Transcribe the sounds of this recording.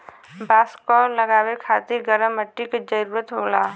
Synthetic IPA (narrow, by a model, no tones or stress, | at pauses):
baːskɔɾləɡaːʋekʰaːt̪iɾɡəɾəmːəʈːiked͡ʒəɾuːɾət̪ɦoːlaː